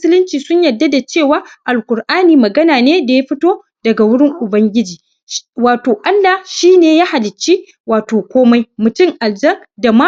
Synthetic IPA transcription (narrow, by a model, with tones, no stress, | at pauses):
m˦sɪ˦lɪ˦nt͡ʃiː˨sʊ˦ɲjɐ˨dːa˦da˨t͡ʃeː˦˨waː˦ʔa˨lkʷʊ˨ɾʔaː˦niː˨mɐ˨ɡɐ˦naː˨neː˦da˨ja˦ɸɪ˦toː˦ | dɐ˨ɡa˨wʊ˦ɽɪ˦ŋʔʊ˨bɐ˦ŋɡʲɪ˦d͡ʒiː˨ | waː˨toː˨ʔa˦lːa˨ʃiː˦neː˨jaː˦ha˨lɪ˨t͡ʃːi˦ | waː˨toː˨kʷoː˦ma˦jmʊ˨tʊ˦˨ŋʔa˨ld͡ʒɐ˦ŋda˨ma˦